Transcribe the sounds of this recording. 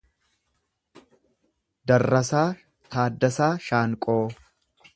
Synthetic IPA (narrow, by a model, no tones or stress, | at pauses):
d̪ɐrːɐsaː | t̪aːd̪ːɐsaːʃaːŋkʼoː